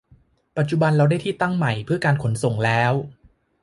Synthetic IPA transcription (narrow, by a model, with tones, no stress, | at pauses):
pa˨˩t̪̚t͡ɕu˨˩ba˧nɾa˧wda˥˩jt̪ʰiː˥˩t̪a˥˩ŋma˨˩jpʰɯ˥˩ɐkaː˧nkʰo˩˦nso˨˩ŋlɛː˦˥w